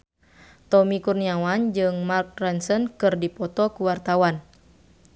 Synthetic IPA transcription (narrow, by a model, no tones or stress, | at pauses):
t̪ɔmikurniawand͡ʒɨŋmark̚rɛnsənkɨrdipɔt̪ɔkuwart̪awan